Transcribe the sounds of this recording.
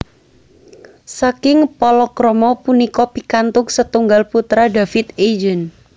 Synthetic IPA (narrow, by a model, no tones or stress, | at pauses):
sakɪŋpɔlɔkɾɔmɔpunikɔpikant̪ʊk̚sət̪uŋɡalput̪ɾadafɪt̪ed͡ʒən